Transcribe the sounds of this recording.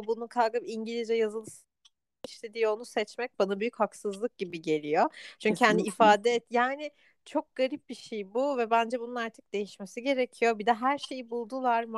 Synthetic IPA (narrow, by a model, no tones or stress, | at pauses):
bunukʰalˠɡɯpiɲɟilʲizd͡ʒɛjazɯlˠɯs | iʃlʲe̞d̪iːjo̞nusɛt͡ʃmɛc̚banabyjychaksɯzlˠɯk̚ɟibiɟe̞lʲijot͡ʃʰyɲcʰihaniifaːd̪ɛɛt̪jaːnɪ | t͡ʃʰo̞k̚ɡ̥aɾip̚biʃejbuvɛbænd͡ʒɛbununaɾt̪ʰɯ̥k̚d̪e̞jiʃmesiɟe̞ɾecʰijo̞bid̪ɛɦæɾʃe̞jibulˠd̪ulˠaɾm